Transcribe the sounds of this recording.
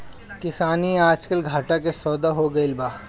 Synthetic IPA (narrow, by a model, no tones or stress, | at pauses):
kɪsaːniaːd͡ʒkəlɡʱaːʈakesɔːd̪aɦoɡɐɪlbaː